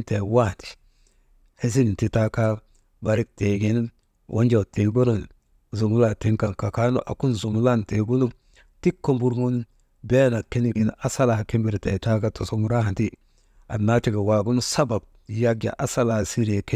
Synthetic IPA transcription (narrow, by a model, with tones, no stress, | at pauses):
nte˨wa˦˨ti̥˨ | he˦s̬i˦ɡi˨nti˦ta˦ka˦ | ba˨ɾi˦k̚te˨ɡi˦n | wʔo̰˦ɲd͡ʒa˨ti˨bo˦no˨n˨ | zu˨ŋu˦la˨ti˦ŋka˨ŋka˨ka˦no̰˦ʔa̰˨ku˦nzu˨mu˦la˦nte˨ɡu˦nu˦ | ti˦kːo˦mbu˦ɾŋu˦n | bɛ˦na˨ke˦ni˨ɡi˨na˨sa˦la˨ha˨ki˦mbi˦ɾtɛ˨ta˦ka˦to˨su˦ŋu˦ɾa˦ha˨nti˦ | a̰˨na˦ti˦ɡa˨wa˨ɡu˦nu˦sa˦ba˨b̚ | ja˦ɡja̰˨ʔa˨sa˦la˨hsi˦ɾe˨ke˦